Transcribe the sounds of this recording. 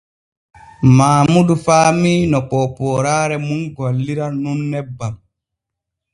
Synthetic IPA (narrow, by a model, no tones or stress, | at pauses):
maːmudufaːmiːnɔk͡pɔpɔːɾaːɾɛmunɡalːiɾanunːɛbːam